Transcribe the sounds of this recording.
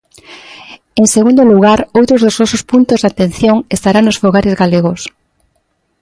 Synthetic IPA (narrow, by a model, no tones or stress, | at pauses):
eŋseɣund̪oluɣ̞aɾowt̪ɾozðoznɔsospunt̪ozðat̪ẽn̟θjoŋest̪aɾaŋnosfoɣaɾɪzɣaleɣos